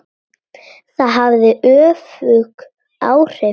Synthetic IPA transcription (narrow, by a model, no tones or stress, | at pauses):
θaðɦavðɪʔœːfʏk | a̰ːwr̥ɛ